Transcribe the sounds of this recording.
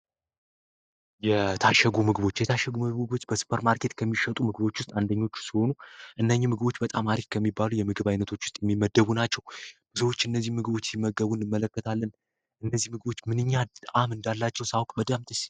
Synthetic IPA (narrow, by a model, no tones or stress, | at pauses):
jɛt̪ʰaʃɛɡumɨɡɨbo̞t͡ʃːjɛt̪ʰaʃɛɡumɨɡo̞t͡ʃːbəsu̥pʰəɾmaɾkʰe̞t̪kʰəmːiʃət̪ʼumɨɡɨβo̞t͡ʃːwʊst̪ʼand̪əɲːo̞t͡ʃːsiho̞nuʔɨnːəɲːɛmɨɡɨbo̞t͡ʃːbət̪ʼamaɾikkʰəmːibːalujɛmɨɡɨβajnət̪ʰo̞t͡ʃːwʊst̪ʼjɛmːimːəd̪ːəβunat͡ʃːɛwb̥ɨsəwo̞t͡ʃːɨnːəzːihmɨɡɨbo̞t͡ʃːsɪmːəɡəβunɨmːələkːət̪ʰalːən | ʔɨnːəzːihmɨɡɨbo̞t͡ʃːmɨnɨɲːat̪ʼʔamɨnd̪alːat͡ʃːɛwsawkʼbəd̪əmt̪ʼɨʃi̥